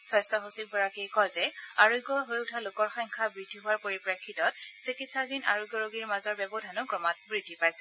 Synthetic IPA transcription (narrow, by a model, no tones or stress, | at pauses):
swɔjstɔxosik̚bɔɹakijkɔjzɛaɹoɡɔɦojʊtʰalokɔɹxaŋkʰabɹid̥ʱiɦʊwaɹpoɹipɹekʰːitɔt̚sikitsadina̰ɹojɡɔɹoɡiɹmazɔɹbɛbɔdʱanʊkɹɔmat̚bɹidʱːipajsɛ̥